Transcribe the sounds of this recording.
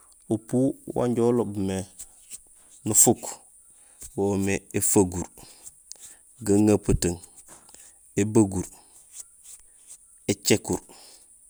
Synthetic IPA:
upuwa̰ɲɟolobme | nufuk | womeefaɡuɾ | ɡaŋapataŋ | ebaɡuɾ | et͡ʃekuɾ

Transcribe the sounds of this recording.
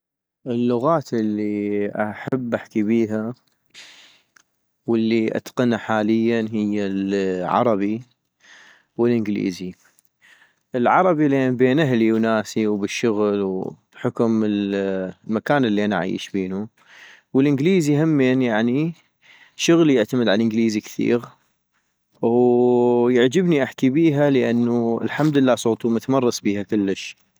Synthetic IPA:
ʔɪlːʊɣaːt̪ʔɪlːiʔaħabːʔaħkibiːɦa | wəlːiʔa̰t̪qɑnaħaːlɪjːanɦɪjːalʕɑ̰ɾˤɑbi | wəlʔɪnɡlḭːzi | ʔɪlʕɑɾˤɑbileːnbeːnʔaɦliwnaːsiwbɪʃːʊɣlwb̥ħʊkʊmɪl | makaːnɪlːiʔanaʕa̰ḭːʃbeːnu | wəlʔɪnɡliːzihɪmːeːnjaʕni | ʃʊɣlijɪʕt̪amɪd̪ʕalʔɪnɡliːzikθḭːɣ | jɪʕd͡ʒɪbniʔaħkibiːɦaləʔanːuɪ̰lħamd̪lːaːsˤoːt̪ˤumʊt̪amɑrˤːɑsˤbiːhakʊlːəʃ

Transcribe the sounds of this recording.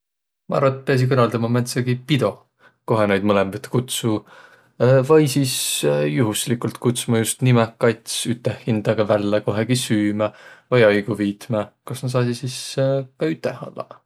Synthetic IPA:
mɑ̰ɑ̰ɾvɑt̪̚ːpes̬ikɤnɑld̪ɑmɑmæt̪sɑɡ̥ipid̪̥o̞ | ko̞ɦenejd̪mɤlembet̪ːkut̪su | vɑjsiːsjuɦuslikult̪kut̪sumɑjust̪nimɛkɑjt̪ʲsyt̪ːˑehːind̪̥ɑɡɑvælːeko̞ɦeɡ̥isyːmævɤjɑjɡ̥uviːt̪mɑkɑsnɑsɑːsisiskɑyt̪ːˑehɑ̰lːɑ̰

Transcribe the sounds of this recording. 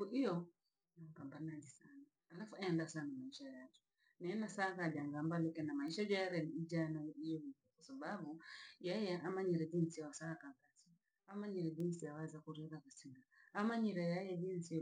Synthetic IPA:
uʔijɔ | napambanad͡ʒisanaːlafuɛndasanamaiʃajad͡ʒɛ | nɛɛnasakad͡ʒaŋɡambalɛkɛnamaiʃad͡ʒajaɾɛniid͡ʒanajijɛmutɛkwasababujɛjɛʔamaɲiɾɛd͡ʒinsiwasakaɡati | amaɲiɾɛd͡ʒinsiawɛzakuɾɛðakasiŋɡaamaɲiɾajajɛd͡ʒinsi

